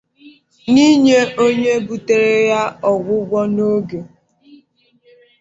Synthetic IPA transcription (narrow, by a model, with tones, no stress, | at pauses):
ni˦ɲe˦ʔo˦ɲe˦bu˨te˨ɾe˦ja˦ɔ˨ɡʷʊ˦ɡʷɔ˦no˦ɡe˨